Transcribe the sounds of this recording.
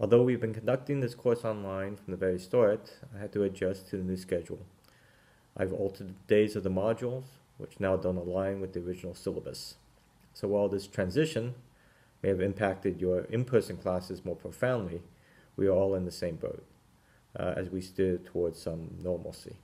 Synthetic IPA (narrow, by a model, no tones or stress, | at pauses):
ɔlˠðoʊwivbɨ̃nkʰɨ̃n̩dʌk̚tɪ̃ŋðɪskʰɔɹsɑ̃nlãɪ̃nfɹʌ̃mðəvɛɹistɔɹɨtaɪɦɨd̚tʰɨːd͡ʒʌstʰɨðɨnʉskɛd͡ʒ̰l̩ˠ | ʔaɪvɔ̰lˠtʰə˞d̪̚ðədeɪzʌvðəmɑd͡ʒl̩ˠz̥ | wɨ̰t͡ʃnaʊdʌ̃ʊ̃nəlãɪ̃nwɨðiə˞ɹɪd͡ʒɨnl̩ˠsɪlˠəbə̰sː | oʊwaɪlˠðɪstʰɹ̥æ̃nzɪʃɨ̃n | meɪɨvɨ̃mpʰæk̚tɨdjə˞ɨ̰̃mpʰɜ˞sɪ̃ŋkʰl̥æsɨzmɔɹpʰɹ̥oʊfãʊ̃ndˡli | wḭə˞ɔlˠə̃nðɨsẽɪ̃mbo̰ʊt̚ | ɨ̰zwistʊd̚tʰəwɔɹdz̥sʌ̃mnɔɹml̩ˠsḭ